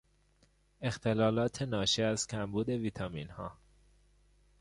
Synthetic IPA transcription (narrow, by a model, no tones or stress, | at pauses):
e̞xt̪ʰe̞lɒːlɒːt̪ʰenɒːʃiæzcʲʰæmbuːd̪e̞viːt̪ʰɒmḭːnhɒ̰ː